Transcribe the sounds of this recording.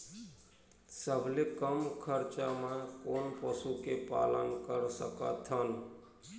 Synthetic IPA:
səbʱlekəmkʰəɾt͡ʃamekonpəsukepa̰lənkəɾsə̰kə̰t̪ʰən

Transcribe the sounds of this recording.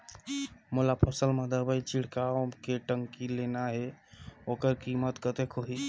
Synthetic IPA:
molapʰəsəlmad̪əɾbəjt͡ʃiɽ̤kakeʈəŋkilenaɦeokəɾkimət̪kət̪ekʰɦoɦi

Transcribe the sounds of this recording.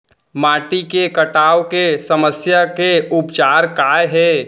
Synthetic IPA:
maːʈikekəʈaːwkesəməsjakeʊpt͡ʃaːɾkaːjɦɛː

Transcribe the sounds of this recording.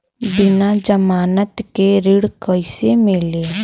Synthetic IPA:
bɪnad͡ʒəmaːnət̪keɾɪɽkəɪsemeːleː

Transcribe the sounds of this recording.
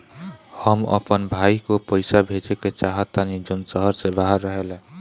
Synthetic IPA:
həmə̰pənbʱaikopəjsabʱed͡ʒeket͡ʃaɦət̪ːanid͡ʒonsəɦəɾsẽbaɦəɾːəɦele

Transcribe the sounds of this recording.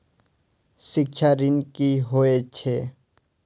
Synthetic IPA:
sɪkʃʰaɾɪnkiɦoet͡ʃʰeː

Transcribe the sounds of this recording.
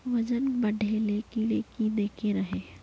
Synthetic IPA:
ʋɐd͡ʒənbɐɖʱeleːkileːkid̪eːkʰeɾɐɦeː

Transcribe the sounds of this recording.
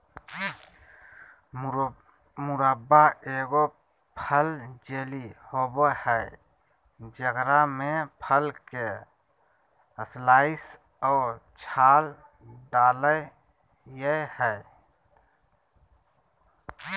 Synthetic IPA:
mʊɾəbaeːɡo | pʰəld͡ʒeːlihoːbohɛ | d͡ʒəɡɾamẽpʰəlke | əslaːɪs | ɔːt͡ʃʰaːl | ɖaːləj | jehɛː

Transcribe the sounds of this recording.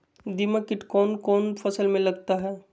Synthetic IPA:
d̪iməkɪʈkɔːnkɔːnpʰɐsəlmẽlɐɡt̪aɦɛː

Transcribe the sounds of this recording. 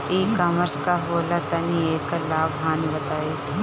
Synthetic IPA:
iːkɐməɾskaɦoːlat̪ɐnieːkːəɾlaːbɦaːnibɐt̪aːiː

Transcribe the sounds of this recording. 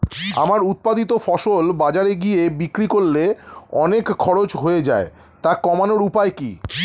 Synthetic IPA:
a̰maɾut̪̚pad̪it̪ofɔʃolbad͡ʑaɾeɡiebikɾikolːeɔ̰nekʰːɔɾot͡ɕɦoed͡ʑa̰e | t̪akɔmanoɾupaekḭ

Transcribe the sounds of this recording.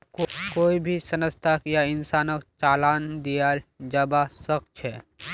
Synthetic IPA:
kkoːibʱisənəst̪ʰakjaɪnsaːnəkt͡ʃaːlaːnd̪ijad͡ʒəbasək̚t͡ʃʰɛ

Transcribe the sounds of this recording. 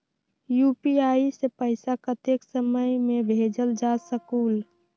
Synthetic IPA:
jupiaisepəɪsakət̪eksəməjmebʱed͡ʒəld͡ʒasəkuːl

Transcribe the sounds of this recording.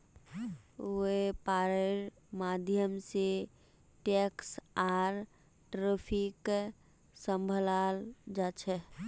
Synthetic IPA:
oepaɾəɾ | mad̪ʱjəmse | ʈeksaɾ | ʈɾəpʰik | səmbʱəlald͡ʒat͡ʃʰɛ

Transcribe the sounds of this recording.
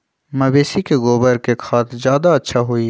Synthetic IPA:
mɐbeːsikeɡoːbəɾkekʰaːt̪ʰzjaːd̪aɐtːʃʰaɦui

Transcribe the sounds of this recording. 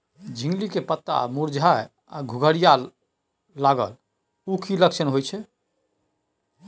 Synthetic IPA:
d͡ʒʱĩŋɡlikepət̪ːa̰muɾd͡ʒʱa | a̰ɡʱuɡʱəɽija | laɡə̰l | ukʰiləkt͡ʃʰənɦojt͡ʃʰɛ

